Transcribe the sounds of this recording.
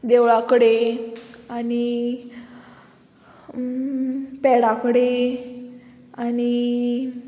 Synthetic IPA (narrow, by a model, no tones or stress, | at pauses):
d̪eʋɭakəɽe | ani | pɛɽakəɽe | ani